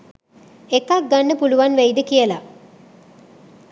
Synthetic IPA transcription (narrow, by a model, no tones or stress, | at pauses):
ekak̚ɡanːəpuluʋanʋejd̪əkijəla